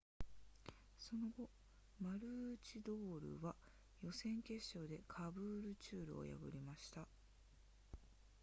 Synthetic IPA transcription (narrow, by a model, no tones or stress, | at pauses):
so̞no̞ɡo̞ | maɾɯ̟t͡ɕid̪o̞ːɾɯ̟̰βa | jo̞sẽ̞ŋke̞ɕːo̞ːd̪e̞kʰabɯːɾɯ̟t͡ɕɨːɾɯ̟o̞̰ja̰ɡɯ̟̰ɾʲimaɕi̥t̪a